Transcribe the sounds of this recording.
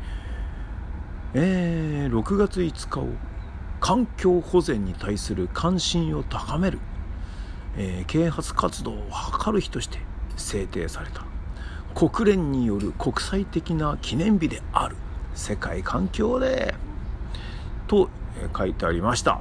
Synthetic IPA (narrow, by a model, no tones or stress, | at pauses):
eːɾo̞kɯ̟ɡat͡sɨit͡sɨ̥kao̞̰ | kʰãŋkʲo̞ːho̞zẽ̞ɲ̟ːit̪aisɨɾɯ̟kʰãɰ̃ɕĩɰ̃o̞t̪akame̞ɾɯ̟ | ekʰe̞ːhat͡sɨ̥kat͡sɨd̪o̞ːhakʰaɾɯ̟çi̥t̪o̞ɕi̥t̪e̞se̞ːt̪e̞̰ːsaɾe̞t̪ḁkʰo̞kɯ̟ɾẽ̞ɲ̟ːijo̞ɾɯ̟kʰo̞kɯ̟̥sait̪e̞kʲinakʲʰinẽ̞mbʲid̪e̞a̰ɾɯ̟̥se̞kaikʰãŋkʲo̞ːd̪e | t̪o̞kʰait̪e̞aɾʲimaɕi̥t̪a̰